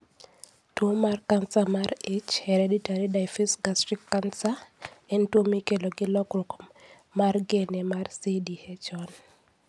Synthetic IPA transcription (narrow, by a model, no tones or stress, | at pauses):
twomarkansamarɪt͡ʃhɛɾeditaɾidaɪfisɡastɾikːansaɛntwomikeloɡɪlɔkɾok | marɡenɛmarsidihɛt͡ʃɔn